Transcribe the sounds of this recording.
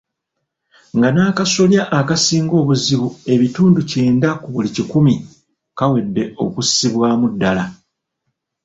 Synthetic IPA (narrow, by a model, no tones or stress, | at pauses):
ŋɡanaːkaso̞ljaʔːkasiːŋɡo̞ːβuziβue̞βituːnduce̞ːndakuβulicikumi | kawe̞dːe̞ʔo̞̰kusiβwaːmudːala